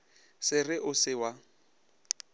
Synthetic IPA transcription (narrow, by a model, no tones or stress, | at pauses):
sɪrɪʔʊsɪwa